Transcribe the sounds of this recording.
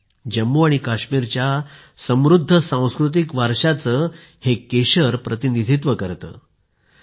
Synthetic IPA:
d͡ʑəmːuaɽ̃ikaɕmiɾt͡ɕja | səmɾud̪ʱːəsãw̃skɾut̪̬ikʋaɾʂat͡səː | hekeɕəɾpɾət̪inid̪ʱit̪ʋəkəɾt̪ə̰ː

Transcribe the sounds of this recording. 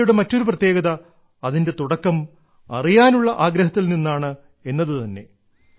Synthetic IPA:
juɽemɐtːo̞ɾuprɐt̪je̞ːɡɐðɐː | ðinde̞t̪uɽɐkːɐm | ɐ̰rijaːnuɭːɐʔaːɡɾɐɦɐt̪ːilninːaːɳɨ | enːɐðɨt̪ɐnːe̞̰

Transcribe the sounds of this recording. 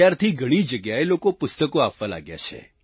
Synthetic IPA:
jaɾt̪ʰiɡʱəɽ̃id͡ʒəɡjaelokopʊst̪əkoapʋala̰ɡja̰t͡ʃʰḛ

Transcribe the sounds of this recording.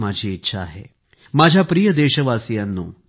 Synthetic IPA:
mad͡ʑʱiːitːɕʰaːɦḛ | mad͡ʑʱjapɾijəd̪eɕəʋasijanːṵː

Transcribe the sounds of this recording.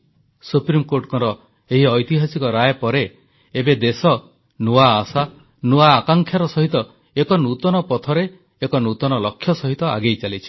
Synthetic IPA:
supɾimkoɾʈkɔɾɔ | eɦiɔjt̪iɦasikɔɾajepɔɾe | ebed̪esɔ | nuwaːsa | nuaːkaŋkʰjaɾɔsɔɦit̪ɔ | ekɔnut̪ɔnɔpɔt̪ʰɔɾeː | kɔnut̪ɔnɔlɔkʰːjɔsɔɦit̪ɔa̰ɡejt͡ʃalit͡ʃʰi̥

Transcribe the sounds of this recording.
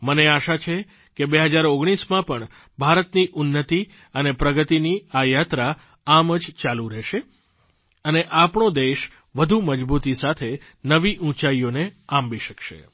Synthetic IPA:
məneaʃat͡ʃʰe | kebeɦəd͡ʒaɾoɡɽ̃ismãpəɳ | bʱaɾət̪niʔʊnːət̪i | ənepɾəɡət̪iniajat̪ɾa | aməd͡ʒt͡ʃalũɾɛʃe | əneʔapɳod̪eʃ | ʋəd̪ʱuməd͡ʒbut̪isat̪ʰe | nəʋiʔũt͡ʃaijoneãmbiʃəkʃḛ

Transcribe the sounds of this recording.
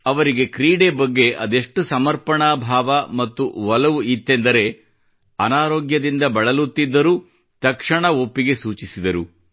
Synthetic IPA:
ɐʋɐɾiɡe̞kɾiːɽebɐɡːe̞ʔɐd̪e̞ʂʈusɐmɐɾpɐɳaːbʱaːʋɐmɐt̪ːṵʋɐlɐʋuʔit̪ːe̞nd̪ɐɾe̞ | ɐnaːɾoːɡjɐd̪ind̪ɐbɐɭɐlut̪ːid̪ːɐɾu | t̪ɐkʂɐɳɐo̞pːiɡe̞suːt͡ʃisid̪ɐɾu

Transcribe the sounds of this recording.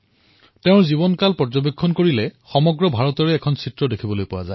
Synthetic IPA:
teʊɹzibɔnkalpɔzɔbekʰːɔnkoɹilɛxɔmɔɡɹɔbʱaɹɔtɔɹɛːkʰɔnsitɹɔdekʰibɔlojpʊwa̰zaj

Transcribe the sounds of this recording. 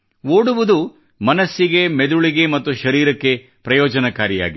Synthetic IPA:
oːɽuʋud̪u | mɐnɐsːiɡe̞med̪uɭiɡe̞mɐt̪ːuʃɐɾiːɾɐkːe̞ | pɾɐjɔːd͡ʒɐnɐkaːɾija̰ːɡi

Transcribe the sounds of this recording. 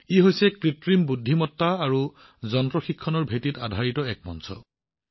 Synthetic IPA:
iɦojsɛkɹitɹimbudʱːimɔtːaːɹu | zɔntɹɔxikʰːɔnɔɹbʱetita̰dʱaɹitɔɛk̚mɔ̰nsɔ̰

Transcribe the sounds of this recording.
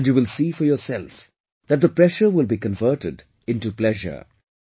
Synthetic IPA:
njuːwɪlsiːfəɹjɔːsɛlˠf | ðæt̚ðəpɹɛʃə˞wɪlˠbikə̃nvɜ˞ʈɪd | ɪ̃ntuplɛʒə̰˞

